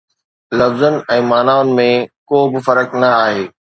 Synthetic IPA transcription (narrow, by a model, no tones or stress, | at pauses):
lɐfzənɪ̆ɛ̃ːmaːnaːʊnɪ̆mẽkoːbɪfɐɾəknɐaːɦeː